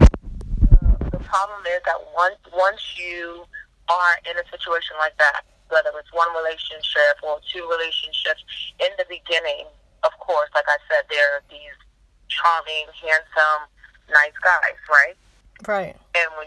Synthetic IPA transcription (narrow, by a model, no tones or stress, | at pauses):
ðəpʰɹ̥ɑblə̃mɪzðə̰ʔ̚wʌ̃nswʌ̃nsjɨ | ə˞ʔɪ̃nɨsɪt͡ʃueɪʃɨ̃nlaɪk̚ðæ̰t̚ | wɛðə˞ɨtswʌ̃nɹileɪʃɨ̃nʃɪpə˞tʰʉɹileɪʃɨ̃nʃɪpsɨ̃nðɨbɨɡɪ̃nɪ̃ŋ | ʌv̥kʰɔɹslaɪkaɪ̥sɛd̪̚ðə˞ðiz̥ | t͡ʃʰɑmɪ̃ŋhæ̃nsə̃m | naɪsɡ̥aɪz̥ɹaɪt̚ | ɹaɪt̚ | ɨ̃nwi